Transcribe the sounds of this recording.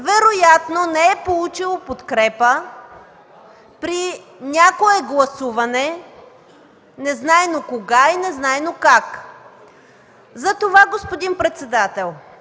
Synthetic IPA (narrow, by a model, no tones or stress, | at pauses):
vɛɾojat̪nonɛɛpolˠut͡ʃilˠopot̪kɾɛpə | pɾi | nʲjakoɛɡlˠɐsuvɐnɛ | nɛznajnokoɡainɛznajnokak | zɐt̪ovaɡospod̪inpɾɛt̪sɛd̪at̪ɛlˠ